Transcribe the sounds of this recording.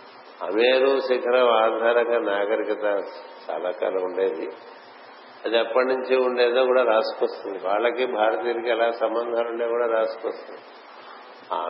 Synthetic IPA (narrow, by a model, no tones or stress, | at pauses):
ɐ̰meːɾusikʰɐɾɐaːd̪ʱaːɾɐkɐnaːɡɐɾikɐt̪ɐt͡ʃa̰ːlaːka̰ːlɐuɳɖe̞ːd̪i | ɐd̪iɐpːɐʈnuɲt͡ʃiuɳɖeːd̪oːkuːɽaːɾaːskɐst̪und̪iʋaːɭːɐkibʱaːɾɐt̪iːɐɾikiɐlaːsɐmbɐnd̪ʱaːluɳɖeːkuːɽaːɾaːskʋɐst̪und̪i | a̰ː